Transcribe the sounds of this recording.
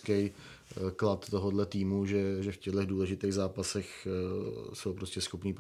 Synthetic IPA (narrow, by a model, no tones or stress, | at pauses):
kɛj | klat̪ːo̞ɦodlɛt̪iːmuʒɛʒɛfcɛdlɛɣduːlɛʒɪt̪eːɣzaːpasɛx | sowpɾoscɛsxo̞pniːp